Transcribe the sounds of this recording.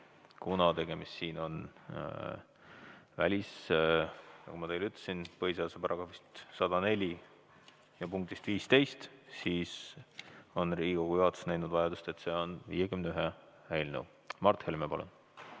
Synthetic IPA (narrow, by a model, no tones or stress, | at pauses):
kunɑt̪e̞ɡ̥e̞mist̪siːno̞n | vælʲis | nɑ̰kumɑt̪e̞jlyt̪ˑlesinpɤjs̬eɑsɑbɾɑɡ̥ɑvist̪sɑd̪ɑne̞lʲi | jɑpuŋk̚t̪ist̪viːst̪e̞jst̪siːs | o̞nriːɡikoɡ̥ujuhɑt̪ːˑu̥snæjnud̪̥vɑjɑd̪ust̪e̞t̪ːse̞ːo̞nvḭjekymnyɦe | hæjlnə̰w | mɑrt̪helmepɑlṵn